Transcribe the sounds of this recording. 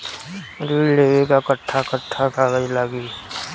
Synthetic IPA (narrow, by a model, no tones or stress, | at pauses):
ɾiːɽleːekakəʈʰːakəʈʰːakaɡəilaːɡiː